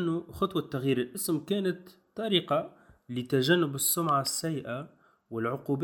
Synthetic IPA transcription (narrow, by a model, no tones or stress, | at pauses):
nːuxɑt̪ˤwɑt̪ːaɣjiːɾɪlʔɪsmkæːnat̪ːˤ | ɑɾiːqɑ | lit̪aʒanːʊbɪsːʊmʕasːæjːʔa | wɪlʕʊqub